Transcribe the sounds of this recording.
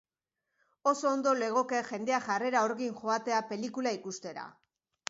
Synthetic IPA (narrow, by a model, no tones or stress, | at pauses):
o̞so̞ːnd̪o̞le̞ɣ̞o̞ke̞ʝe̞nd̪e̞aʝare̞ɾao̞ɾɣiŋʝo̞at̪e̞ape̞likulaikust̪e̞ɾa̰